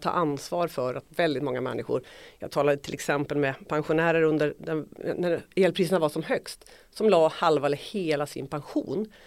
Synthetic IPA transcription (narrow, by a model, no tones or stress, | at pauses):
t̪ʰːɑ̰ːʔansvɑːɾfœɾat̪vɛld̪ɪt̪mɔŋːamɛ̰nːɪɧʊ̰ɾjɑːɡ̚t̪ʰɑːlad̪ət̪ʰɪlʔɛksɛmpəlmɛpʰanɧʊnæːɾəɾɵnd̪əɾd̪ɛnæɾeːlpɾiːs̬ənavasɔmɦœkst̪ | sɔmlɑːhalvaləheːlasɪ̰npʰanɧṵːn